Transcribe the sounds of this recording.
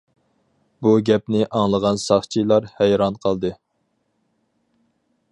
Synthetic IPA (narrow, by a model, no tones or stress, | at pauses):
buɡʲɛp̚nɪʔɑŋlˠəʁɑnsɑχt͡ʃʰilˠɑɾhɛjɾɑnqʰəlˠd̪ɨ